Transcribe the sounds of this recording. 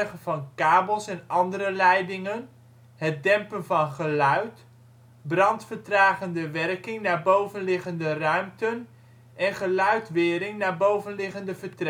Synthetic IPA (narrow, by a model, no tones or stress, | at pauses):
χəvɑnkaːbəlˠsɛnɑndəɾəlɛjdɪŋən | ɦət̚dɛmpənvɑnχəlœɥt | brɑntfəɹtraːχəndəʋɛrkɪŋnaːɹbowvənlɪχəndərœɥmtən | ʔɛnχəlœɥtʋɪːɾɪŋnaːɹbowvənlɪχəndəvəɹtɛ